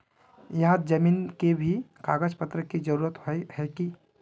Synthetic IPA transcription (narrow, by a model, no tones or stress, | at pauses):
jɐɦãd͡ʒəmiːnkebʱikaːɡəd͡ʒpət̪ɾəkid͡ʒəɾuːɾət̪ɦohɛki